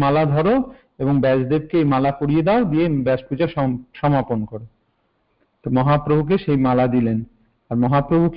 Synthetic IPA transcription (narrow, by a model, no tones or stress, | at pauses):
malad̪ʱɔɾo | eboŋbɛd͡ʑd̪eb̚keejmalakoɾijed̪ɛod̪iebɛd͡ʑpud͡ʑaʃʃɔmaponkɔɾe | t̪omɔɦapɾobʱuk̬eʃejmalad̪ilen | aɾmɔɦapɾobʱuk